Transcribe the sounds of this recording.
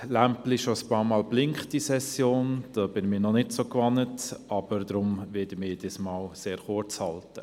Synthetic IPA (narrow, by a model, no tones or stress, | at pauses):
læmpliʃoəspɑːɾmɑːlblɪŋχtisɛsjoːnd̥ɑːb̥ɪnmɪːnɔnɪtsokʋɑnːətɑb̥əɾd̪ɾʊmʋɪdəmɪːd̥ismɑːlseːɾχʊɾt͡shɑltə